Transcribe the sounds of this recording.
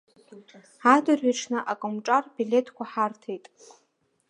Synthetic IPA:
adɨrɥaʈ͡ʂʰnɨʔakʼʊmʈ͡ʂʼarbile̞tʰkʷʰaħartʰejtʼ

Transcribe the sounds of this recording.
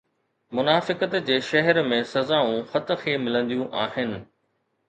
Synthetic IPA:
mʊnaːfɪkət̪d͡ʑeːʃɐɦɛɾmẽsɐzaːũxɐt̪xʰiemɪlə̃nd̪ijũʔaːɦɪnɪ̆

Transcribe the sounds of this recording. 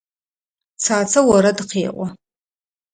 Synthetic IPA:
t͡sʰaːt͡sʰawaɾadqʰeːʔʷʼa

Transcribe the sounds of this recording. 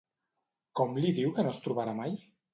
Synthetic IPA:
kɔmliðiwkənost̪ɾuβaɾamaj

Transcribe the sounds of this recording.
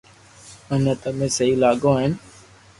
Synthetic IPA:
ənət̪əmẽːsəɦiːlaːɠõːɦɪn

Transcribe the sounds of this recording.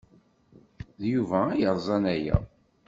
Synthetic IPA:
ðjuvæːjəɾˤzˤɑnæjæ̰

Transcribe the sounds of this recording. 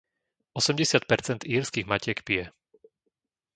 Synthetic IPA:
ɔsɛmɟɛsɪat̪̚pɛɾt͡sɛnd̪iːɾskiɣmacɪɛkpijɛ

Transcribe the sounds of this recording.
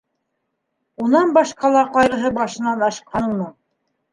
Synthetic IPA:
unɑnbɑʃqɑlˠɑqɑjɾɤ̆ɦɤbɑʃɤ̆nɑnɑʃqʰɑnɤ̆ɴmɤ

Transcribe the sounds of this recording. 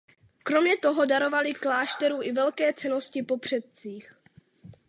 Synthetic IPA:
kɾo̞mɲɛt̪o̞ɦo̞daɾo̞valɪklaːʃt̪ɛɾuːʔɪvɛlkɛːt͡sɛno̞scɪpo̞pr̝̥ɛt̪̚t͡siːx

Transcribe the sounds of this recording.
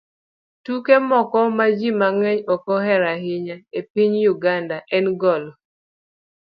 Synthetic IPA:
tukemɔkɔmad͡ʒimaŋɛɲɔkɔɦɛɾaɦɪɲaepiɲjuɡandaʔɛnɡɔlɔ

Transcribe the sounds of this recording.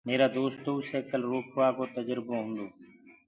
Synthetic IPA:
meːɾaːd̪oːst̪uːseːkəlɾoːkʰʋaːkoːt̪əd͡ʒɾbõːɦʊ̃ːnd̪oː

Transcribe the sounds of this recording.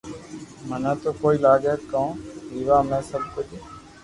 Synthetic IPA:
mənãːt̪oːkoːiːlaːɠeːkːaõːiːʋaːmɛ̃ːsəbkʊd͡ʒ

